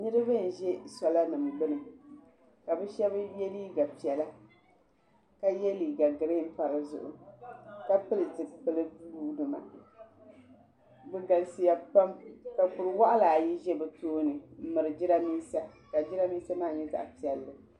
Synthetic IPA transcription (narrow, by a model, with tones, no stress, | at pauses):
nɨ˦ɾɨ˦bɨ˦n̩˨ʒɛ˦sɔ˨la˦nɨ˨mi˨bɨ˦nɨ˨ | ka˨bɨ˦ʃɛ˦bɨ˦jɛ˦liː˦ɡa˨pi˨ɛ˨la˦ | ka˦jɛ˦liː˨ɡa˨ɡɨ˨ɾe˦m̩˦pa˨ɾɨ˨zʊ̰˨ʔʊ̰˨ka˦pɨ˦lɨ˨tɨ˨pɨ˨lɨ˦uː˦dɨ˨ma̰˨ | bɨ˦ɡa˨lsi˨ja˨pa˦mka˨pʊ˨ɾɨ˨wa˦ʔa˦la˨ji˦ʒɛ˦bɨ˨toː˦nɨ˨m̩˦mɨ˨ɾɨ˨d͡ʒɪ˦ɾa˦miː˦sa˦ | ka˨d͡ʒɪ˦ɾa˦miː˦sa˦maː˦˨ɲɛ˦za̰˨ʔpi˨ɛ˨lːɨ˨